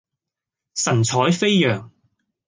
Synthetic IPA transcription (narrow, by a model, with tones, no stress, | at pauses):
sɐ˨˩nt͡sʰɔː˨˥jfe˥jjœː˨˩ŋ